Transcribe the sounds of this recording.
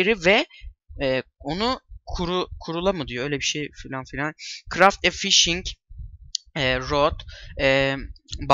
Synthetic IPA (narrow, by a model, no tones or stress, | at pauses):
eɾivɛɛːo̞nukʰuɾukʰuɾulˠamɯd̪ijo̞øjlʲɛbiʃejfilʲanfilʲankʰɾaft̪ɛfiʃiɲc | ɛːɾot̪ɛ | b